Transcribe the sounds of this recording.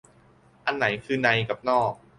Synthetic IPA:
ʔa˧nːa˩˦jkʰɯː˧na˧jka˨˩p̚nɔː˥˩k̚

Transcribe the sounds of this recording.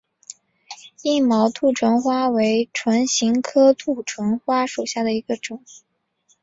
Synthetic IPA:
i˥˩mɑ˧˥ʊt̪ʰu˥˩ʈ͡ʂʰwə˧˥nxwa˥we˧˥ɪʈ͡ʂʰwə˧˥nɕi˧˥ŋkʰɤ˥t̪ʰu˥˩ʈ͡ʂʰwə˧˥nxwa˥ʂu˨˩ʊɕja˥˩d̪ə˩i˧˥ɡ̥ə˧ʈ͡ʂʊ˨˩˦ŋ

